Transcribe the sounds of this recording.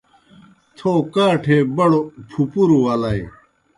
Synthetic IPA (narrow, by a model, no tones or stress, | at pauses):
t̪ʰoːkaːʈʰeːbɐɽopʰupuɾuɐlɐe